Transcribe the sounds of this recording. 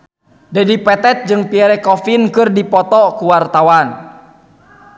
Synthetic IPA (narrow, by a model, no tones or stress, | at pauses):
dadipɛt̪ɛt̪̚d͡ʒɨŋpiɛɾɛkɔfinkɨrdipɔt̪ɔkuwart̪awan